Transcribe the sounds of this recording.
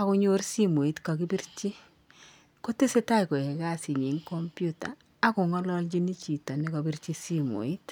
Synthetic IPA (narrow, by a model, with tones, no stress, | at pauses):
a˦kʊ˧ɲo˦ɾsi˦mo˨i˦tka˨ki˦bi˦ɾt͡ʃi˦ | ko˦te˦se˦ta˦i˨ko˨ɛ˨ka˦si˨ɲi˨˦ŋko˦mpjuta̰˨ | a˦kʊ˨ŋɔ˦lɔ˦ld͡ʒi˦ni˦t͡ʃi˨tɔ˨ni˦ka˨bi˦ɾt͡ʃi˦si˦mo̰˨i˦t